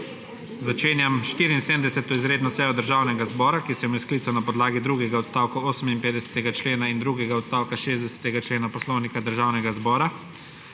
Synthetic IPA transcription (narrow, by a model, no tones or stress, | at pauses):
zat͡ʃeːnjamʃt̪iːɾiinsemd̪ɛsɛt̪ɔizɾeːd̪nɔsɛjɔd̪əɾʒaːwnɛɡazbɔːɾakisɛmɛsklit̪sɔnapɔd̪laːɡid̪ɾuɡɛɡaɔt̪st̪aːwkɔoːsəminpeːd̪ɛsɛ̥t̪ɛɡat͡ʃleːnaind̪ɾuɡɛɡaɔt̪st̪aːwkaʃeːzd̪ɛsɛ̥t̪ɛɡat͡ʃleːnapɔslownikad̪əɾʒaːwnɛɡazbɔːɾa